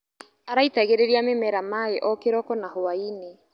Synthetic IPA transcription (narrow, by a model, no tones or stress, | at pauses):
aɾaitaɣeɾeɾiamemɛɾamaeʔɔkeɾɔkɔnahoaine